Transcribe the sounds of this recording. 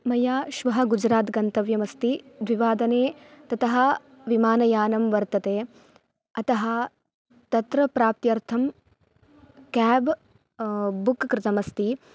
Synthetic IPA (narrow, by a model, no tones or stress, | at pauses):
mɐjaːʃʋɐɦɐɡud͡ʒɾaːt̪ɡɐnt̪ɐʋjɐmɐst̪id̪ʋiʋaːd̪ɐneːt̪ɐt̪ɐɦɐ̆ | ʋimaːnɐjaːnɐmʋɐɾt̪ɐt̪eː | ɐt̪ɐɦɐ̆ | t̪ɐt̪ɾɐpɾaːp̚t̪jɐɾt̪ʰɐm | kɛːb | bukkɾɪt̪ɐmɐst̪i